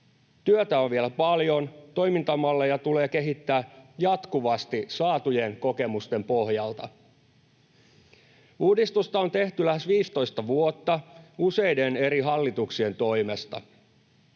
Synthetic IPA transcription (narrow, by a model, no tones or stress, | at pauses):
t̪yøt̪æoʋʋielæpɑljo̞nt̪o̞jmint̪ɑmɑlːejɑt̪ule̞ːke̞ɦit̪ːæːjɑt̪kuʋɑst̪isɑːt̪uje̞ŋko̞ke̞must̪e̞mpo̞hjɑlt̪ɑ̰ | uːdist̪ust̪ɑo̞nt̪e̞ht̪ylæsʋiːst̪o̞jst̪ɑʋuot̪ːɑuse̞jde̞ne̞ɾiɦɑlːit̪uksie̞nt̪o̞ime̞st̪ɑ̰